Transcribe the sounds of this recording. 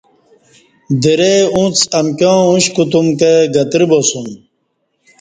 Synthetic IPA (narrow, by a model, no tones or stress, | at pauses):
d̪eɾeũt͡sɐmkõːũɕkut̪umkeɡɐt̪iɾibosum